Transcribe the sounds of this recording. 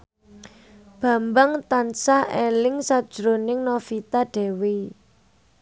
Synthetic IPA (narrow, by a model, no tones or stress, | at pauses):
b̥ä̤mbaŋt̪ansaelɪŋsad̥ʒ̥ɾonɪŋnɔfit̪aɖ̥ɛ̤we